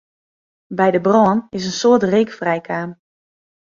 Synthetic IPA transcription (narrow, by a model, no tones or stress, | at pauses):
bɛjdəbrɔːnɪs̬ənsoətreːkfrɛjkʰaːm